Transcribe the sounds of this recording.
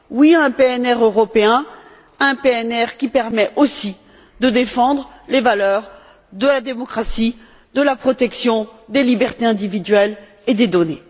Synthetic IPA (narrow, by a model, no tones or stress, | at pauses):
wiɛ̃peɛnɛʁøʁɔpeɛ̃ | ɛ̃peɛnɛʁkʲipɛʁmɛʔosi | d̪əd̪efɑ̃d̪ʁ | levalœʁ | d̪əlad̪emɔkχasi | d̪əlapχɔt̪ɛksjɔ̃d̪elibɛʁt̪eɛ̃d̪ivid̪ɥɛl | ed̪ed̪ɔne